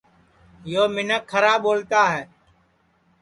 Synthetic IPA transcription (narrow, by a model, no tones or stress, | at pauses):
joːmɪnəkʰːəɾaːɓoːlt̪aːɦɛː